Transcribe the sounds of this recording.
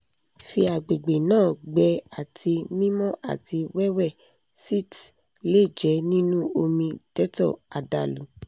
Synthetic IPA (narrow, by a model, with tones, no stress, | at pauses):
fi˧a˨ɡ͡be˨ɡ͡be˨nãː˦˨ɡ͡bɛ˧˦a˨tʰi˧mĩ˦mɔ̃˦ʔa̰˨ti˧wɛ˦wɛ˦˨ | si˦˨t | le˦˨d͡ʒɛ˨˦nĩ˦nũ˦o˧mĩ˧tɛ˦tɔ̰˦˨a˨da˨lu˨˦